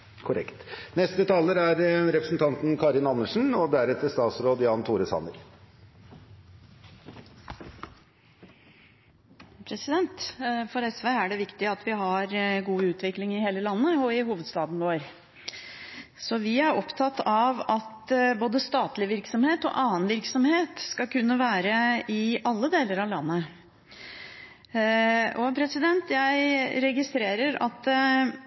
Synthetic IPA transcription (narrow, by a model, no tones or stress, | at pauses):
kʰʊɾɛ̰kt̪nɛst̪ət̪ʰɑːləɾæɾɾɛpɾəsn̩t̪ʰɑnt̪n̩kʰɑːɾɪnɑnːəʂn̩ɔd̪æɾɛt̪əst̪ɑːt̪sɾoːd̪jɑːnt̪ʰuːɾəsɑ̰nəɾ | pʰɾɛsɪd̪ɛnt̪fɔɾɛsʋeːæɖɛʋɪkt̪ɪɑt̪ʋɪɦɑɾɡuːʉːt̪ʰʋɪklɪŋɪheːləlɑnːəɔɪɦuːʋəd̪st̪ɑːd̪nʋoːɾ | sɔʋɪæɾɔpt̪ʰɑt̪ːɑʋɑt̪boːd̪əst̪ɑːt̪lɪʋɪɾksɔmheːt̪ɔ̰ʔɑːənʋɪɾksɔmheːt̪skɑkʉnːəʋæːɾəɪʔɑlːəd̪eːləɾɑʋlɑnːə | ɔpʰɾɛsɪd̪ɛnt̪jæɪɾɛɡɪst̪ɾeːɾəɾɑ̰t̪